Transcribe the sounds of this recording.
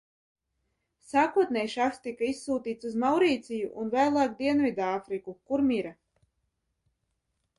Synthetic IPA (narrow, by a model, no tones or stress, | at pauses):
saːkuɔt̪nɛjʃakst̪ikaisːuːt̪iːt̪suzmawɾiːt̪sijuʔunvajlˠaːk̚d̪iɛnvid̪aːfɾikukuɾmiɾa